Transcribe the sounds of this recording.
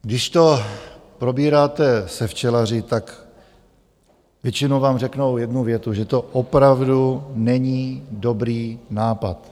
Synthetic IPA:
ɡdɪʃt̪o̞pɾo̞biːɾaːt̪ɛsɛft͡ʃɛlar̝ɪt̪ak | vjɛt͡ʃɪnowvaːmrɛknowjɛdnuvjɛt̪uʒɛt̪o̞ʔopɾavdunɛɲiːdo̞bɾiːnaːpat̪

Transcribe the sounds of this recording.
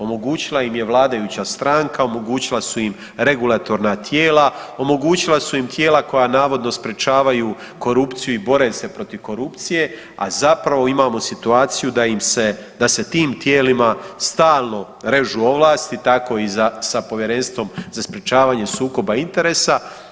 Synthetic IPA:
o̞mo̞ɡuːt͡ɕilˠaimje̞ʋlˠaːd̪ajut͡ɕast̪ɾaːŋkao̞mo̞ɡuːt͡ɕilˠasuim | ɾe̞ɡulat̪o̞ɾnat̪ʰje̞ːlao̞mo̞ɡuːt͡ɕilasuimt̪je̞ːlako̞jaːnaːʋo̞d̪no̞spɾe̞t͡ʃaːʋaju | ko̞ɾupt̪sijuibo̞ɾe̞ːse̞pɾo̞t̪iʋko̞ɾupt̪sije̞ | a̰zapɾaʋo̞imaːmo̞sit̪uaːt̪sijud̪aimsed̪ase̞t̪iːmt̪jeːlimast̪aːlˠno̞ | ɾe̞ʒuo̞ʋlˠaːst̪it̪ako̞izasapo̞ʋje̞ɾe̞nst̪ʋo̞mzaspɾet͡ʃaːʋaːɲe̞suːko̞baint̪e̞ɾe̞ːsa

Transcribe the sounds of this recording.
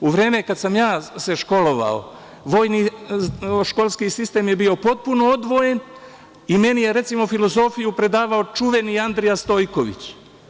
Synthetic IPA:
uʋɾe̞ːmekad̪samjaːseʃko̞lo̞ʋa̰o̰ | ʋo̞ːjni | ʃko̞lˠskisist̪e̞ːmjebio̞po̞t̪̚puno̞od̪ʋo̞je̞n | ime̞nije̞ɾe̞t̪simo̞filo̞zo̞fijupɾe̞d̪aːʋaot͡ʃuʋe̞niand̪ɾijast̪o̞ːjko̞ʋḭt͡ɕ

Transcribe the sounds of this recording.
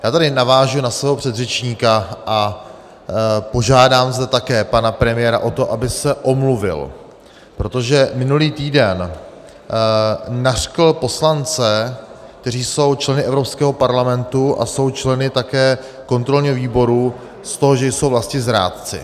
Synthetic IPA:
jaːt̪adɪnavaːʒunasvɛːɦopr̝̥ɛd̪rɛt͡ʃɲiːkaʔa | po̞ʒaːdaːmzdɛt̪akɛːpanapɾɛmɪjɛɾa̰ʔo̞t̪o̞ʔabɪsɛʔo̞mluvɪ̰l | pɾo̞t̪o̞ʒɛmɪnuliːt̪iːdɛn | ar̥kl̩po̞slant͡sɛ | k̚t̪ɛriːso̞wt͡ʃlɛnɪʔɛvɾopskɛːɦo̞paɾlamɛnt̪uʔa̰so̞wt͡ʃlɛnɪt̪akɛː | ko̞nt̪ɾo̞lɲɪɦoviːbo̞ɾu | st̪o̞ɦoʒɛjsowvlascɲɪzɾa̰ːt̪t͡sɪ̰

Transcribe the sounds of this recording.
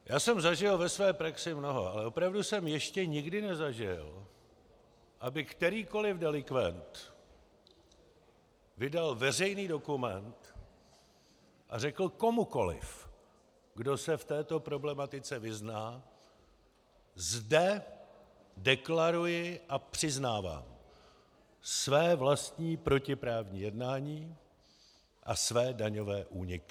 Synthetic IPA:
jaːsɛmzaʒɪlvɛsvɛːpɾaksɪmno̞ɦo̰alɛʔo̞pɾavdusɛmjɛʃcɛɲɪɡdɪnɛzaʒɪ̰l | ʔabɪkt̪ɛɾiːko̞lɪvdɛlɪkvɛ̰nt̪ | vɪdalvɛr̝ɛjniːdo̞kumɛnt̪ | ʔa̰rɛkl̩ko̞muko̞lɪ̰f | ɡdo̞sɛft̪ɛːt̪o̞pɾo̞blɛmat̪ɪt͡sɛvɪznaː | zdɛ | dɛklaɾujɪʔapr̥ɪznaːva̰ːm | svɛːvlast̪ɲiːpɾo̞cɪpɾaːvɲiːjɛdnaːɲiː | ʔa̰svɛːdaɲo̞vɛːʔuːɲɪkɪ

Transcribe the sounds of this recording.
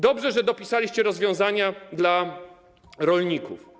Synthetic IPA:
d̪ɔbʐɛʐɛd̪ɔpʲisalʲiɕt͡ɕɛɾɔzvʲjɔ̃w̃zaɲad̪la | ɾɔlɲikṵf

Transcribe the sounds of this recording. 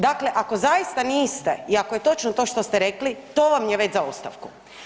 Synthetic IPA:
d̪akle̞ʔako̞zajist̪aniːst̪eiakoje̞t̪o̞t͡ʃnot̪o̞ːʃt̪o̞st̪eɾe̞klit̪oːʋamjeʋet͡ɕzaost̪a̰ʋku

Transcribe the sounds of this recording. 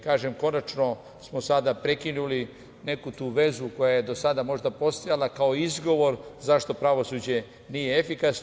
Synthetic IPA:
kaːʒemko̞nat͡ʃno̞ | smo̞sad̪apɾe̞kinuli | ne̞kut̪uːʋe̞zuko̞jaje̞d̪o̞sad̪amo̞ʐd̪apo̞st̪ojalakaoizɡo̞ʋo̞ɾzaʃt̪o̞pɾaʋo̞suːd͡ʑe̞ | nije̞efikas

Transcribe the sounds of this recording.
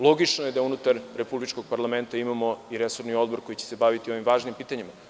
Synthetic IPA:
lˠo̞ɡit͡ʃnoje̞d̪aunut̪aɾɾepublit͡ʃko̞ɡ̚paɾlˠame̞nt̪aimamo̞iɾeso̞ɾnio̞d̪̚bo̞ɾko̞jit͡ɕe̥se̞baʋit̪io̞ʋimʋaːʒnimpiːt̪aɲima

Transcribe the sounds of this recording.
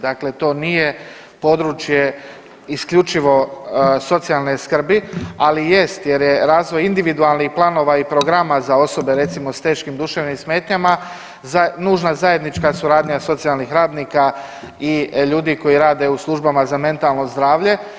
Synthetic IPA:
d̪akle̞t̪o̞ːnije̞ | po̞d̪ɾut͡ʃje̞ | iskʎut͡ʃiʋo̞so̞t̪sijalˠneskr̩bialije̞st̪je̞ɾje̞ɾaːzʋo̞jind̪iʋid̪ualˠnixplˠano̞ːʋaipɾoɡɾamazao̞so̞be̞ɾe̞t̪simo̞st̪e̞ːʃkimd̪uʃeʋnimsme̞ːt̪ɲama | zanuːʒnazaje̞d̪nit͡ʃkasuɾaːd̪ɲaso̞t̪sijalˠnixɾaːd̪niːka | iʎuːd̪iko̞jiɾaːd̪e̞uslˠuʒbamazame̞nt̪alˠno̞zd̪ɾaːʋʎe̞

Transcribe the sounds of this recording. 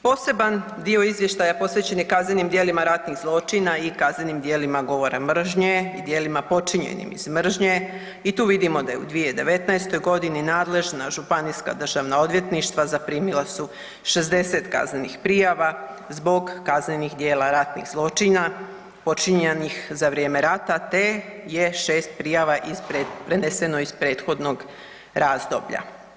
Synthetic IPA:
po̞ːse̞ban | d̪io̞izʋjeʃt̪ajapo̞sʋe̞t͡ɕe̞nikaznenimd̪je̞ːlimaɾat̪niɣzlˠo̞t͡ʃinaikazne̞nimd̪jeːlimaɡo̞ʋo̞ɾamr̩ʒɲeid̪je̞ːlimapo̞t͡ʃiɲḛnḭmḭzmr̩ʒɲe | it̪uːʋid̪imo̞d̪ajeṵd̪ʋied̪e̞ʋe̞t̪najst̪o̞jɡo̞d̪ininaːd̪le̞ʒnaʒupaniːska̰d̪r̩ʒaʋnaod̪ʋje̞t̪niʃt̪ʋazapɾiːmilˠasu | ʃezd̪e̞set̪ka̰znenixpɾijaʋa | zbo̞ɡːaznenixd̪je̞ːlaɾat̪nḭɣzlˠo̞t͡ʃina | po̞t͡ʃiɲenixzaʋɾjeme̞ɾat̪at̪e̞je̞ʃe̞ːst̪̚pɾijaʋaʔizpepɾenesenoispɾe̞ːt̪xo̞d̪no̞ɡ | ɾaːzd̪o̞̰bʎa̰

